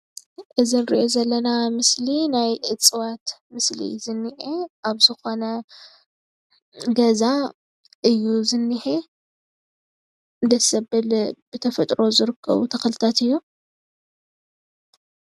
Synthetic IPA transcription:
ʔɨzinɨɾḭʔo̞zɐlːɐnamɨslinajʔɨt͡sʼɨwat̪mɨslḭzɨnːiʕeʔaβzɨxo̞nɐ | ɡɐza | ʔɨjːuzɨnːɨħe | ɨnd̪ɐsɐbɨlb̥ɨt̪ʰɐfɐt̪ʼɾo̞zɨɾɨkʰːɐ̰βṵt̪ʰɐxlɨt̪ʰat̪ɨjːu

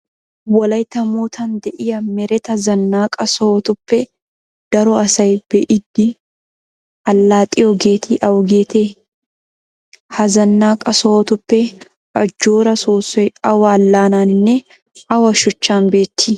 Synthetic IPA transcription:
wɐlɐjt̪ɐmuːt̪ʰɐnd̪ɛʔɪjɐmɛɾɛt̪ɐzɐnːaːkʼɐsɔɔt̪ʊpːɛ | d̪̥ɐɾɔɐsɐjb̥ɛʔɪd̪ːɪ | ɐlːaːt̪ʼːɪjɔɡe̞ːt̪ʰɪʔɐwɡeːt̪eː | hɐzɐnːaːkʼɐsɔhɔt̪ʊpːɛ | ʔɐd͡ʒːoːɾɐsoːsːɔjɐwɐlːaːnaːnɪnːɛ | ʔɐwɐʃʊt͡ʃːaːnbeːt̪ːɪ

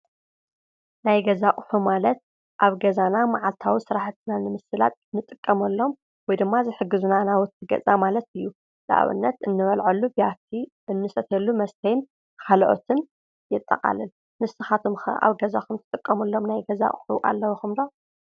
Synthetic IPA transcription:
najɡɐzakʼʊħumalɐt̪̚ | ʔaβɡɐzanamaʕalt̪ʰawisɨɾaħt̪ʰɨnanɨmɨsɨla̰t̪ɨnːɨt̪ʼɨkʼːɐmɐlːo̞m | wɔjd̪ɨmːazɨħɨɡːɨzunanawʊt̪ʰːɨɡɐ̰t͡sʼamalɐt̪ɨjːu | la̰ʔβɨ̰nːɐt̪ɨnːɨβɐlʕɐlːubiat̪ʰi | ʔɨnːɨsɐt̪ʰelːumɐst̪ʰɐjn | kʰalʔo̰t̪ʰɨn | jɪt̪ʼːɐ̰qʼa̰lɨl | mɨsɨxat̪ʰomxɐ̰ʔa̰βɡɐza̰kɨmt̪ʰɨ̥t̪ʼɨkʼːɐmɐlːo̞mnajɡɐza̰kʼħṵʔa̰lːɐwuxɨmd̪o

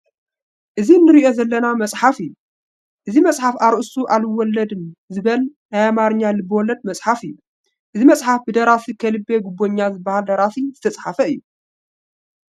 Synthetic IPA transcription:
ʔɨzinɨɾiʔo̞zɐlːɐnamɐt͡sʼħafɨjːu | ʔɨzimɐt͡sʼħafaɾʔɨsuʔalwɔlːɐd̪ɨnzɨβɐlnajamaɾɨɲːalɨbɨwɔlːɐd̪̚mɐt͡sʼħafɨjːu | ʔɨzimɐt͡sʼħafbɨd̪ɐɾasikʰɐlɨbːeɡubːo̞ɲːazɨbːɐhald̪ɐɾatizɨt̪ʰɐt͡sʼħafɐɨjːu

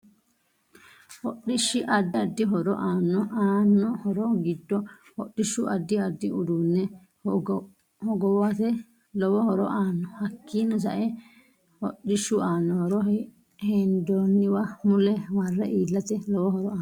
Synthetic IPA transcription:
hɔɗɪʃːɪʔɐd̪ːɪɐd̪ːɪɦɔɾɔ̰ʔaːnːɔʔaːnːɔhɔɾɔɡɪd̪ːɔ | hɔɗːɪʃːʊʔɐd̪ːɪɐd̪ːɪʔʊd̪unːɛ | hɔɡɔwɐt̪ɛ | lɔwɔhɔɾɔʔaːnːɔhɐkːiːnːɔs̬ɐ̰ʔɛ | hɔɗɪʃːʊaːnːɔhɔɾɔ | hɛnd̪oːnːɪwɐmʊlɛmɐrːɐʔiːlːɐt̪ɛlɔwɔhɔɾɔaː

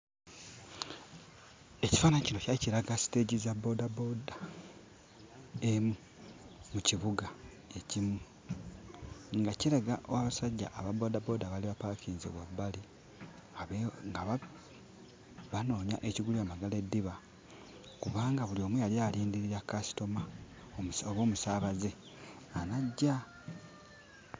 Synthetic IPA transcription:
e̞ci̥faːnaɲicino̞caciɾaɡasi̥te̞ːɟizabo̞dabo̞da | emu | muciβuɡa | e̞cimu | ŋɡaciɾaɡaʔowaβasaɟːa̰ʔːβabo̞ːdabo̞ːdaβaliβapakʰiːnzo̰βwabːali | aŋɡa | βano̞ːɲa̰ʔe̞ciɡuliamaɡale̞dːiβa | kuβaːŋɡaβulio̞ːmwujaljaːliːndiɾiɾakasi̥to̞ma | oβo̞ːmusaːβaze̞ | anaɟːa

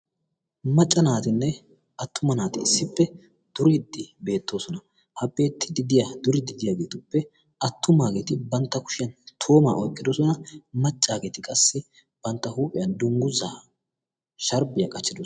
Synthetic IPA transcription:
mɐt͡ʃʼːɐnaːt̪ɪnːɛ | ɐt̪ʰːʊmɐnaːt̪ɪɪsːɪpːɛ | d̪̥ʊɾɪd̪ːɪbe̞ːt̪ːo̞ːsɔnɐ | hɐpʼːeːt̪ːɪd̪ɪd̪ɪjad̪ʊɾɪd̪ɪd̪ɪjaːɡe̞ːt̪ʊpːɛ | ɐt̪ːʊmaːɡe̞ːt̪ɪbɐnt̪ːɐkʊ̥ʃɪjɐnt̪ʰo̞ːma̰ːʔɔjkʼːɪd̪ɔsɔnɐmɐt͡ʃʼːaːɡeːt̪ɪkʼɐsːɪ | b̥ɐnt̪ːɐhuːpʼɪjɐnd̪ʊŋɡʊzaː | ʃɐɾbɪjakʼɐt͡ʃːɪd̪o

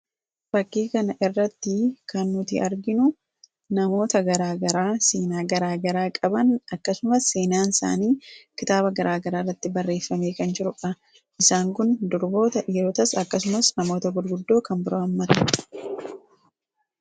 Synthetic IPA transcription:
bɐkːiːkɐnɐʔɪrːɐt̪ːɪkɐnːʊt̪ɪʔɐɾɡɪnʊ | nɐmo̞ːt̪ɐɡɐɾaːɡɐɾaːseːnaːɡɐɾaːɡɐɾaːkʼɐbɐnɐkːɐsʊmɐsːe̞ːnaːnɪsa̰ːniːkɪt̪aːbɐɡɐɾaːɡɐɾaːrːɐt̪ːɪbɐrːe̞ːfːɐme̞ːkɐnd͡ʒɪɾʊᶑɐ | ʔɪsaːŋkʊnd̪ʊɾbo̞ːt̪ɐʔiːɾoːt̪ɐsɐkːɐs̬ʊmɐsnɐmo̞ːt̪ɐɡʊɾɡʊd̪ːo̞ːkɐnbɪɾoːɐmːɐt̪ɐ

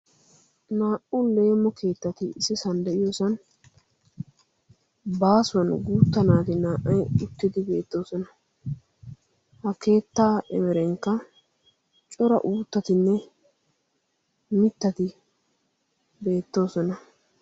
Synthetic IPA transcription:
naːʔʊle̞ːmːɔkʰe̞ːt̪ːɐt̪ɪɪsɪsɐnd̪ɛɪjosɐn | baːsʊwɐnɡuːt̪ːɐnaːt̪ɪnaːʔɐjʊt̪ːɪd̪ɪbe̞ːt̪ːo̞ːsɔnɐ | hɐke̞ːt̪ːaːʔɛmɛɾɛŋkːɐ | t͡ʃʼɔɾɐ̰ʔuːt̪ːɐt̪ɪnːɛ | mɪt̪ːɐt̪ɪ | be̞ːt̪ːo̞ːsɔnɐ

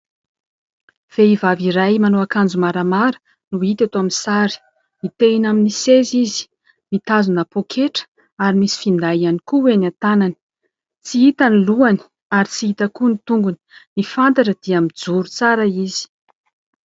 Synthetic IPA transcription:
v̥eivaviɾajmanoakand͡zumaɾamaɾu̥ | nuit̪at̪oaminsaɾi̥ | mit̪einaminisezizi̥ | mit̪azunapokʰeʈ͡ʂə̥ | aɾimisi̥find̪aianikuwenat̪anani̥ | t͡siit̪aniluani̥ | aɾit͡siit̪əkunit̪uŋɡuni̥nifant̪aʈ͡ʂəd̪̥iamid͡zuɾut͡saɾaizi̥

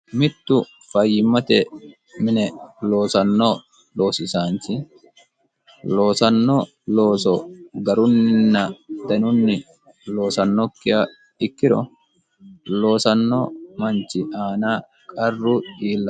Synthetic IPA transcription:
mɪt̪ːʊ | fɐjːɪmːɐt̪ɛ | mɪnɛlo̞ːsɐnːo | lo̞ːsɪsaːnt͡ʃɪ | lo̞ːsɐnːɔ | lo̞ːsɔɡɐɾʊnːɐd̪ɐnʊnːɪ | lo̞ːsɐnːɔkːɪjɐ | ɪkːɪɾɔ̰ | lo̞ːsɐnːomɐnt͡ʃːɪʔaːnaː | kʼɐrːʊiːlːɐ

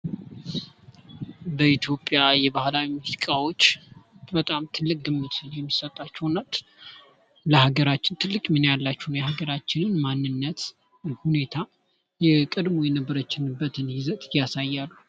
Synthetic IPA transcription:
bəit̪ʰjo̞pʼjajɛbahlawimuzzikʼawo̞t͡ʃːbət̪ʼamt̪ʰɨlːɨk̚ʼɡɨmːɨt̪ɨnjɛmːisət̪ʼːat͡ʃːɛwnːat̪ | ləhaɡəɾat͡ʃːɪnt̪ʰɨlːɨkʼmɨnjalːat͡ʃːɛwnjɛhaɡəɾat͡ʃːɪnɨnmanːɨnːət̪ | hune̞t̪ʰa | jɛkʼəd̪mo̞jɛnəbːəɾət͡ʃːɪnɨbːət̪ʰɨnhɪzət̪ʼjasajːalːu

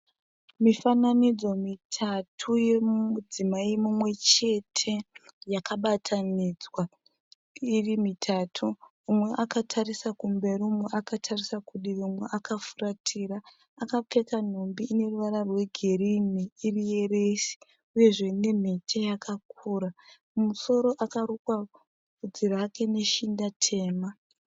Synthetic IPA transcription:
mifananid͡zo̞mitʰatʰuje̞mud͡zimaimumwe̞t͡ʃe̞tʰe̞jakaɓatʰanid͡zwa | irimitʰaːtʰuː | mwe̞ʔakatʰaɾisakumbe̞ɾiumweʔakatʰarisakuɗiʋumwe̞ʔakafuratʰiɾaː | kap͡fe̞kan̤ombiːne̞ruʋaɾarwe̞ɡʱe̞riniːrije̞re̞si̥ | uje̞ʐe̞ne̞m̤e̞tʰejakʰak̚ʰuːɾa | muso̞ɾo̞ʔakaɾukwa | kud͡ziɾake̞ne̞ʃindatʰe̞ːma

